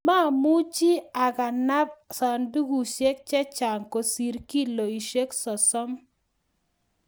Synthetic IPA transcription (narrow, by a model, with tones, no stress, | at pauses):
ma˦˨mu˦t͡ʃi˦a˨ka˨na˦p̚sa˨ndu˦ɡu˨ʃe˦k̚t͡ʃɛ˦t͡ʃa˨ŋko˨si˨ɾki˦lo˨i˨ʃe˦ksɔ˨sɔ˦m